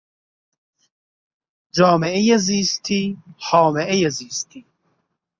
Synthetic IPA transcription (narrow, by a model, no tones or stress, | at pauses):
d͡ʒɔːmeejɐziːst̪ʰihɔːmeʔejɐziːst̪ʰi